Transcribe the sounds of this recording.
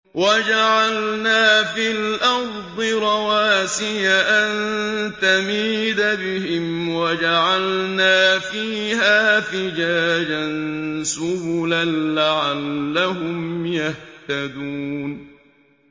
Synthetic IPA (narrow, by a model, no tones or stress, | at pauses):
wad͡ʒaʕalnaːfilʔɑɾd̪ˤɨɾˤɑwaːsɪjaʔant̪amiːd̪abɪɦɪmwad͡ʒaʕalnaːfiːɦaːfɪd͡ʒaːd͡ʒansʊblanlaʕalːaɦʊmjaht̪ad̪uːn